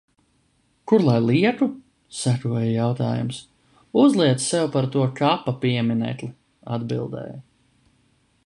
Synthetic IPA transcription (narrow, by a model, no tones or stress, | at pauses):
kuɾlˠajlˠiɛt̪u | sækuɔjajawt̪aːjṵms | uzlˠiɛt̪ssɛwpaɾt̪uɔkapapiɛminɛ̰jt̪lˠi | a̰d̪bḭlˠd̪ɛ̰ːja